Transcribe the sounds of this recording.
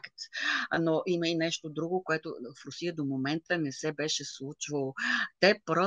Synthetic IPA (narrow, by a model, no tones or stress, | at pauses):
kt̪noʔiməinɛʃt̪od̪ɾuɡokoɛt̪o̰fɾʊsijəd̪omomɛnt̪ənɛsɛbɛʃɛslˠut͡ʃvəlˠot̪ɛpɾɔ